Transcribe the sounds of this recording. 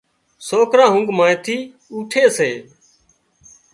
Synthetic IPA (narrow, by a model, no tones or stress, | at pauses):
soːkɾãːɦʊŋɡmãːt̪ʰiː | uːʈʰeːseː